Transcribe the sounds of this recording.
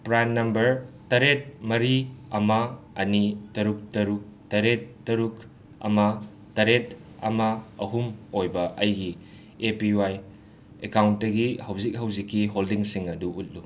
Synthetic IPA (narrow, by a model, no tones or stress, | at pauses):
pɾajmːɐmbɐɾtɐɾet̚mɐɾiɐmɐ | ɐnitɐɾuk̚tɐɾuk̚tɐɾetːɐɾuk | ɐ̰mɐ | tɐɾet̚ | ɐ̰mɐɐ̰ɦumojbɐʔɐjɡi | epiwaj | ekawntdɐɡihɐwzik̚ɦɐwzikːiɦoldiŋsiŋɐduut̚lu